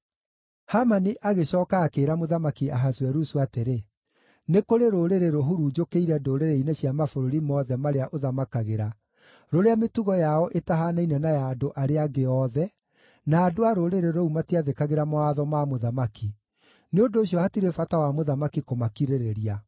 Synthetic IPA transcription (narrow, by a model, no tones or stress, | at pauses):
hamaniʔaɣeɕɔːkaːkeːɾamoðamakiaɦaswɛɾusuateɾe | nekoɾeɾoɾeɾeɾoɦuɾuːd͡ʒokeiɾɛdoɾeɾeinɛɕjamafoɾoɾimɔðɛmaɾeaʔoðamakaɣeɾa | ɾoɾeametuɣɔjaɔʔetaɦanainɛnajaːdoʔaɾeaɡeɔðɛ | naːdoaɾoɾeɾeɾɔumatiaðekaɣeɾamoaðɔmamoðamaki | neondoːɕjɔhatiɾefatawamoðamakikomakiɾeɾeɾia